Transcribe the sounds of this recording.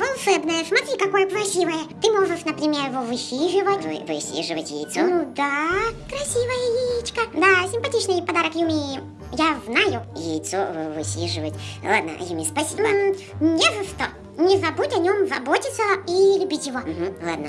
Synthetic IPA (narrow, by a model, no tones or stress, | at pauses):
vɐlˠʂɛbnəjəsmɐt̪ɾʲikɐko̞jəkɾɐsʲivəjət̪ɨmoʐɨʂnəpɾʲɪmʲerjɪvovɨsʲiʐɨvətʲvɨ̰vɨ̰sʲḭʐɨvətʲjɪ̰jt̪sonud̪akɾɐsʲivəjəjɪit͡ɕkəd̪asʲɪmpɐtʲit͡ɕnɨjpɐd̪aɾəkjʊmʲi | javnajʊjɪ̰jt̪sovvɨ̰sʲḭʐɨvətʲlˠa̰d̪̚nə̰jumʲispɐsʲibə | nʲevɐʂt̪o | nʲɪzɐbutʲɐnʲo̞mzɐbo̞tʲɪt̪səilʲʊbʲitʲjɪvo̞m̩ɦm̩lˠa̰d̪nə